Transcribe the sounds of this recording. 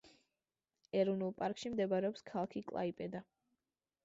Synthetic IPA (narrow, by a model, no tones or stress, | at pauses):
ɛɾɔnulˠpʼaɾkʼʃimd̪ɛbaɾɛɔpskʰalˠkʰikʼlˠa̰ipʼɛd̪a